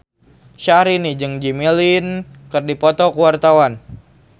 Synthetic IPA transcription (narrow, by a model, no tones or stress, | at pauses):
ʃaɾinid͡ʒɨŋd͡ʒimilinkɨrdipɔt̪ɔkuwart̪awan